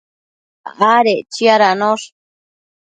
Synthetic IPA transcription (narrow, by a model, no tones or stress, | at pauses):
ʁaɾet͡ʃiaɾanoʂ